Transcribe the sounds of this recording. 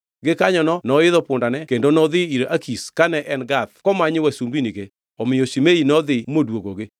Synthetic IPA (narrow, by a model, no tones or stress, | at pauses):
ɡɪkaɲɔnɔnɔɪðɔpʊndanɛkendonɔðɪiɾʔakʰiskanɛʔɛnɡat̪̚kɔmaɲɪwasumbiniɡe | ɔmɪjoʃimeinɔd̪ɪmodwoɡoɡɪ